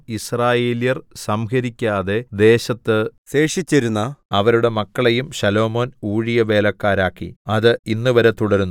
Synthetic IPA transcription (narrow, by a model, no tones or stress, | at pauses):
israːjeːljɐrsɐmhɐɾikʲːaːðe̞d̪e̞ːɕɐt̪ːɨse̞ːʂit͡ɕːɐɾunːɐɐʋɐɾuɽe̞mɐkːɐɭejumɕɐlo̞ːmo̞ːnuːɻijɐʋe̞ːlɐkːaːɾaːkːḭɐðɨinːɨʋɐɾɐt̪uɽɐɾunː